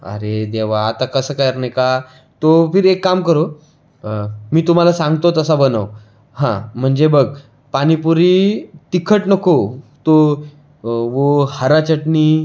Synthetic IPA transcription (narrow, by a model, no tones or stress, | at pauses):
ə̰ɾed̪eʋ̤aːt̪akəsəːkajɾnejka | t̪ofiɾekːamkəɾo | miːt̪um̤alasãŋɡt̪ot̪əsabənəʋ | hãm̤əɳd͡zebəɡ | pañipuɾiːt̪ikʰəʈnəkot̪o | ʋohəɾat͡ɕəʈniː